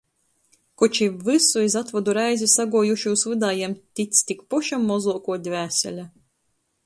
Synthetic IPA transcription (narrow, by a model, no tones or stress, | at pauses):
kɔt͡ʃivɨsuizat̪vɔd̪uɾajzʲisaɡuːjuʃuːsvɨd̪aːjiɛmt̪ʲit̪st̪ʲikpɔʃamːɔzuːkuɔd̪ʲvʲæːsʲɛ̰lʲa